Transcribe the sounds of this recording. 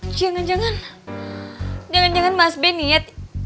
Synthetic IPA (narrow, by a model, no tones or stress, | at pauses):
d͡ʒaŋand͡ʒaŋan | d͡ʒaŋand͡ʒaŋanmasbɛniat̪̚